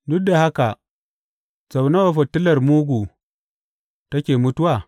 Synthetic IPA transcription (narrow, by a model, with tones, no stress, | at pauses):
dʊ˦da˨ha˦ka˨ | t͡sa˨wna˦wa˨ɸɐ˨tːɪ˦lɐ˨rmuː˦ɡʷu˨ | tɐ˦kʲeː˨mʊ˦tʊ˦waː˦˨